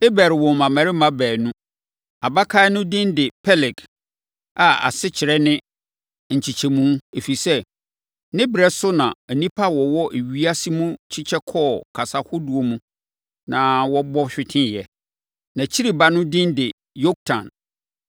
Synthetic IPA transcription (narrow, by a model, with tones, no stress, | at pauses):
e˦bɛ˨ɾɪ˨wɔ̃˨m˨mã˨mæ̃˨ɾɪ˦mã˦bæː˨nũ˦ | a˨ba˦kʰa˦nʊ̃˦dɪ̃˦ndɪ˨pʰɛ˦lɪ˨k | a˨a̰˨sɪ˦t͡ɕʰɪ˨ɾɛ˦nɪ̃˦ | ɲ̩˨t͡ɕʰi˨t͡ɕʰɛ˨mũ˦e˨fi˨sɛ˦ | nɪ̃˦bɪ˨ɾɛ˦sʊ˦nã˨ɛ˨nĩ˦pʰa˦wɔ˨wɔ˦ʔe˨ɥi˦a˦si˦mũ˦t͡ɕʰɪ˦t͡ɕʰɛ˦kʰɔː˦˨kʰa˨sa˨hʊ˦du˨o˨mũ˦ | nã˨wɔ˦bɔ˦ɕᶣɪ˨tʰɪ̃˦jɛ˨ | nã˨t͡ɕʰi˦ɾi˨ba˦nʊ̃˦dɪ̃˦ndɪ˨ | jo˦k̚tʰã̰˨n